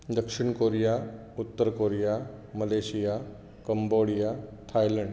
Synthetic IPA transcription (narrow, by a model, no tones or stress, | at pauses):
d̪əkʂiɳkoɾija | ut̪ːəɾkoɾijaməleɕija | kəmboɽijat̪ʰajləɳɖ